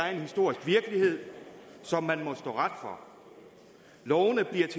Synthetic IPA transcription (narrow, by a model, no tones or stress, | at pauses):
æɐe̝nhisd̥o̝ɐ̰isɡ̥ʋiɐɡ̥əlihe̝ð̞̰ˠsɒ̽mːænmɒ̽sd̥ɔ̰ːʁad̥fɒ | lɒʊnəb̥liɐt͡sʰe